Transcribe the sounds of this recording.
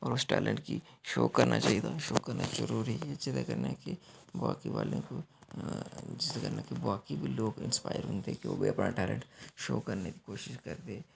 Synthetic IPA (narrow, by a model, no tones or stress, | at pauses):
ɔːɾʊsʈɛ̰ːlə̃ɳʈkiʃoːkɐɾnʔat͡ʃaːid̪aʃoːkɐɾnazəɾuːɾiɛd͡ʒɪt̪akɐɾnakebaːkiʋaːlḛ̃ko | d͡ʒɪst̪akɐɾnakebaːkibʱiloːɡɪ̃nspaːɪjəɾɦʊ̃ːnd̪eɛkiʋo̰ːbiɐpnaʈɛːlə̰̃ɳʈʃoːkɐɾneki̥koːʃɪʃkɐɾd̪eː